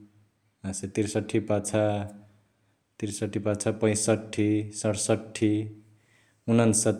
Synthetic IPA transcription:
aset̪iɾsʌʈʰːipat͡sʰa | t̪iɾsʌʈʰːipat͡sʰapʌ̃j̃sʌʈʰːisʌɽsʌʈʰːi | unʌnsʌt̪

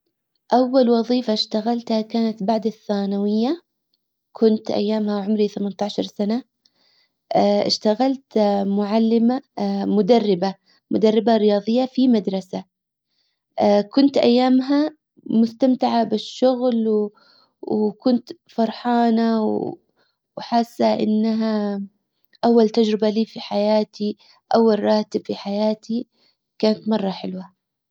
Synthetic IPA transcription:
ʔawːalwɑðˤiːfaʃt̪aɣalt̪hakaːnat̪baʕd̪ɪθːaːnawɪjːa | kʰʊnt̪ʔa̰jːaːmhaʕʊmɾiθamant̪ɑʕʃɑɾˤsana | ɪʃt̪aɣalt̪mʊʕalːɪmamʊd̪arːɪba | mʊd̪arːɪbaɾɪjɑːðˤɨjːafimad̪ɾˤɑsa | kʊnt̪ʔa̰jːaːmɦa | mʊst̪amt̪ɪʕabɪʃːʊɣlw | wkʊnt̪fɑɾˤħɑːnaw | wħasːaʔɪ̰nːɦa | ʔawːalt̪ad͡ʒɾɪbaliːfiħajaːt̪i | ʔawːalrˤɑːt̪ɪb̥fiħajaːt̪ʰi | kaːnat̪mɑrˤːɑħɪlwa

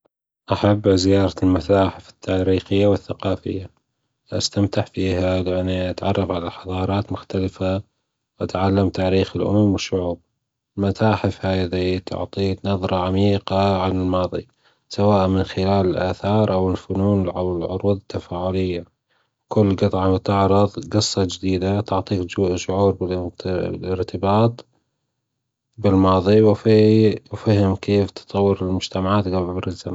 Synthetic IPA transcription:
ʔaħabːzɪjɑːɾˤɑlmat̪aːħɪfɪ̥t̪ʰːaːɾiːxɪjːawɪθːaqɑːfɪ̰jːa | ʔa̰st̪amt̪ɪʕfiːɦalɪʔanːiʔat̪ʕɑ̰rˤːɑfʕalaħɑðˤɑːɾˤɑːt̪mʊxt̪alɪfa | wʔat̪ʕalːamt̪aːɾiːxɪlʔʊ̰mmwɪʃːʊʕuːb̚ | lmataːħɪfhaːjðit̪ʰʊ̰ʕt̪ˤiːnɑðˤɾˤɑʕamiːqaʕanɪlmɑːðˤḭ | sawaːʔmɪnxɪlaːlɪlʔa̰ːθɑːɾˤʔawɪlfʊnuːnɪʕawlʕʊɾuːðˤɪt̪ːafaːʕʊlɪjːa | kʊlːɡɨt̪ˤʕɑt̪aʕɾˤɑðˤɡɨsˤːɑd͡ʒd̪iːd̪at̪ʊʕt̪ˤiːkʃʊʕuːɾbɪllʔɪɾt̪ɪbɑːt̪ˤ | bɪlmɑːðˤiwfiwfihɪmkeːft̪ɨ̥t̪ˤɑwːɪɾɪlmʊd͡ʒt̪amaʕaːt̪ɡabbɾɪzama

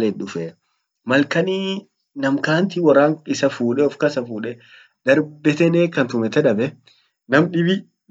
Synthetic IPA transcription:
lɛɗʊfɛ | mɐlkɐni | nɐmkaːnt̪ɪwɐrːaːŋɪsɐfuːᶑɛɔfkɐsɐfuːᶑɛ | d̪̥ɐɾbɛt̪ɛneːkːɐnt̪ʊmɛt̪ɛᶑɐbɛ | nɐmᶑɪbɪ

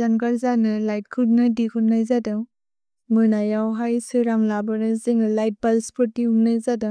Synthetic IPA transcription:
zanɡaɾzanɯlajt̚kʰut̚nadikʰut̚najzadaw | mɯnajawɦajsɯɾamlabɯnɯzeŋlajt̚balspʰɔɾtːiumnajzada

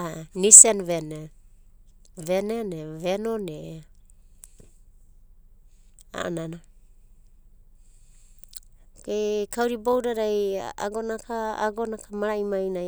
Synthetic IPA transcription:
anisenvene | venenevenone | a̰nana | kekawɾibowɾaɾaja̰ɡonakaaɡonakamaɾaimajna

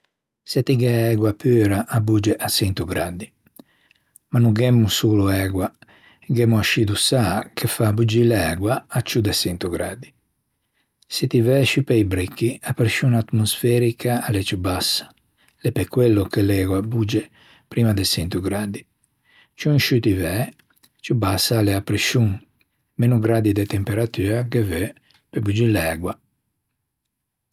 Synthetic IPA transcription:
sɛt̪iɡɛɛɡwapøɾaʔabud͡ʒɛʔasɛnt̪uɡɾad̪i | manuɡɛmːusuluɛɡwa | ɡɛmuaʃid̪usakʰefabud͡ʒilɛɡwaːt͡ʃud̪ɛsɛnt̪uɡɾad̪i | set̪ivɛʃupɛjbɾikːiapɾʃunat̪mosfɛɾikʰaːlet͡ʃubasḁ | lepekwɛlːokelɛɡwabud͡ʒe | pɾimad̪esɛnt̪uɡɾad̪i | t͡ʃuŋʃut̪ivɛ | t͡ʃubasːaleapɾiʃuŋ | menuɡɾad̪id̪ɛt̪ɛmpeɾat̪yːɾakevø | pebud͡ʒilɛɡwa

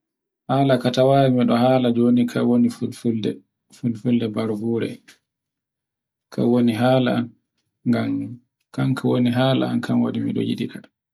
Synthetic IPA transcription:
haːlakatawawimiɗɔhaːlad͡ʒonikʰa̰wonifulfuldɛ | fulfuldɛbaɾbuɾɛ̰ | kʰa̰woniɦaːla̰an | ŋɡam | kankʰawoniɦaːla̰a̰nkʰamwa̰ɗimḭɗɔ̰jḭɗika

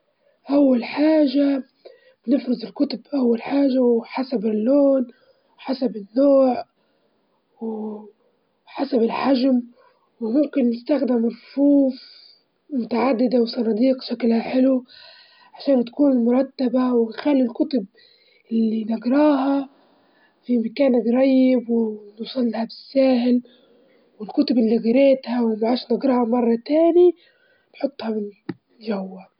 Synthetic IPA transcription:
ʔawːalħaːʒa | b̥nɪfɾɪzˤɪlkʊt̪ʊbʔawːalħaːʒːawħasabɪlːoːn | wħasabɪnːoːʕ | wɪ | ħasabɪlħaʒm | wɪmʊmkɪnːɪst̪axd̪ɪmɾˤfuːf | mʊt̪aʕad̪ːɪd̪awsˤɑnɑd̪iːq̚ʃaklhaħɪlu | ʕaʃaːnt̪ḁkuːnɪlmʊɾˤɑt̪ːabawɪnxalːilkʊt̪ʊb | ʔɪlːinaɡɾˤɑːɦɑ | fimakaːnɪɡɾˤɑjːɪbwɪnusˤɑlːhabɪsːaːhɪl | wɪlkʊt̪ʊbɪlːiɣɑɾeːt̪hawɪmʕaːʃnɪɡɾˤɑːhɑmɑrˤːɑt̪aːni | nħot̪ˤːhɑmɪn | ʒawːa

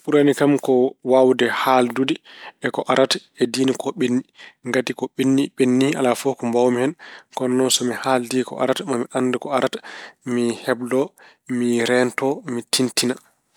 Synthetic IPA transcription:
ɓuɾanikamkɔwawdɛhaldudiɛkɔʔaɾatɛdiːnikɔɓenːiŋɡatikɔɓenːiɓenːia̰lafɔkɔmbawmihɛnkɔnːɔsɔmihaldikɔ̰ʔa̰ɾatmamiʔanːdɛkɔaɾatamihɛbdɔ | miɾɛntɔmitʰintina

